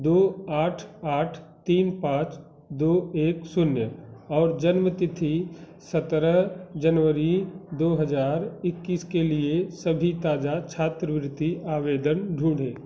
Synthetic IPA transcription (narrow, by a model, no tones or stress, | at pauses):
d̪oːaːʈʰaːʈʰt̪iːnpãːt͡ʃ | d̪oːeːksʊnjəɔːɾd͡ʒənmət̪ɪt̪ʰi | sət̪ɾəɦd͡ʒənʋəɾid̪oːɦəzaːɾɪkːiːskeliesəbʱit̪aːd͡ʒat͡ʃʰaːt̪ɾəʋɾɪt̪iaːʋeːd̪ənɖʱũːɖ̤eː